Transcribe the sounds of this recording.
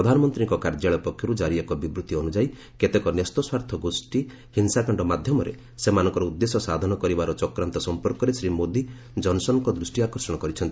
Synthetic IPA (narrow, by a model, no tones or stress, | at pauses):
ɾɔd̪ʱanɔmɔnt̪ɾiŋkɔkaɾd͡ʒaɭɔpɔkʰːjɔɾud͡ʒaɾibakɔbibɾut̪ːiɔnud͡ʒai | ket̪ekɔnest̪ɔswaɾt̪ʰɔɡosʈi | hinsakɔɳɖɔmad̪ʱjɔmɔɾḛ | semanɔ̃ŋkɔɾɔud̪ːesɔsad̪ʱɔnɔkɔɾibaɾɔt͡ʃɔkɾant̪ɔsɔmpɔɾkɔɾesɾimod̪i | d͡ʒɔnsɔnɔkɔd̪ɾusʈiakɔɾsɔɽ̃ɔkɔɾit͡ʃʰɔnt̪i̥